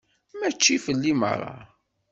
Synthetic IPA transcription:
mæt͡ʃːifəlːimə̰ɾˤːɑ̰

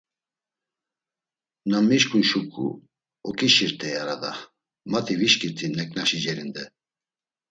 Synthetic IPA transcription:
namiʃkʰʼunʃukʰʼṵ | ɔkʼiʃiɾt̪ʰʼɛjaɾad̪a | mat̪ʰiviʃkʼiɾt̪ʰinɛkʼnaʃid͡ʒɛɾind̪ɛ

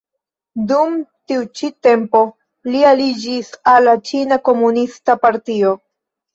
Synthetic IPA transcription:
dumtiut͡ʃite̞mpo̞ | lialid͡ʒisalːat͡ʃinako̞munistapaɾtio̞

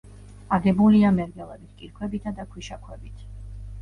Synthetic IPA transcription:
aɡɛbuliamɛɾɡɛlˠɛbit̪̚ʰkʼiɾkʰwɛbit̪ʰad̪akʰwiʃakʰwɛbit̪ʰ

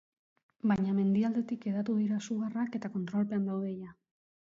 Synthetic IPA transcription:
baɲame̞nd̪iald̪e̞t̪ikeðat̪uð̞iɾasuɣarake̞t̪ako̞nt̪ɾo̞lpeand̪awðe̞ja

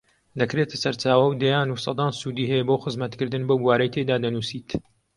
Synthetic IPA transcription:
d̪ɐkɾet̪ʰɐ̥sɐɾt͡ʃaːwɐwd̪ɐjaːnusˤɑ̰d̪ɑːnsuːd̪iːɦɛjɛboːxɨzmɐt̪kɨɾd̪ɨnbɐwbuwaːɾɐjt̪ʰed̪aːd̪ɐnuːsiːt̪

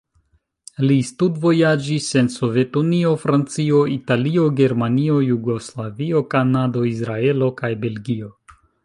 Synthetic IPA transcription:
listudvo̞jad͡ʒise̞nso̞ve̞tunio̞fɾant͡sio̞italio̞ɡe̞ɾmanio̞juɡo̞slavio̞kanado̞isɾae̞lo̞kajbe̞lɡio̞

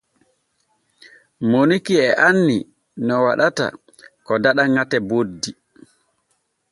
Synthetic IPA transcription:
monikiɛʔanːi | nɔwaɗata̰ | kɔdaɗaŋatɛbodːi

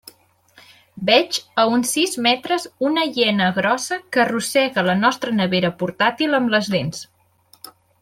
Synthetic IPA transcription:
bɛt͡ʃəunsizmɛt̪ɾəzunəʎɛnəɣɾɔsəkərusɛɣələnɔst̪ɾənəβeɾəpuɾt̪at̪iləmbləzlens

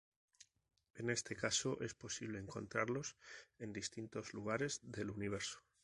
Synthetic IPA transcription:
e̞ne̞st̪e̞kaso̞ʔe̞spo̞siβ̞le̞ːŋko̞̰nt̪ɾaɾlo̞se̞nd̪ist̪int̪o̞zluɣ̞aɾe̞zðe̞luniβ̞e̞ɾso̥

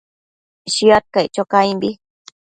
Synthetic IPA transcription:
ʃiat̪̚kajt͡ʃokajmbi

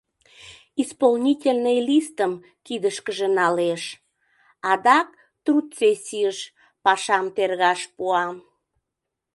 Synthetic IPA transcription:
ispolnʲitʲelʲnejlist̪əm | kid̪əʃkəʒenɑleʃ | ɑd̪ɑk | t̪rut̪t͡sesʲiəʃ | pɑʃɑmt̪erɣɑʃpuɑm

